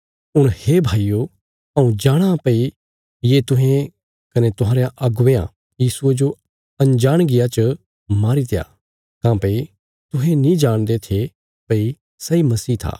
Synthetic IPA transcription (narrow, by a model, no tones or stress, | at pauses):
ʊɽ̃heːbʱaːijo | ɐũd͡ʒaːɽ̃apei | jeːt̪ʊ̃ɦẽ | kɐnet̪ʊɦaːɾejãʔɐɡʊʋẽã̰ | jiːsued͡ʒo | ɐ̃nd͡ʒaːɽ̃ɡɪjat͡ʃə | maːɾit̪eja̰ | kãːpei | t̪ʊɦẽnĩd͡ʒaːɽ̃d̪et̪ʰe | pei | sɐimɐsiːt̪ʰa̰ː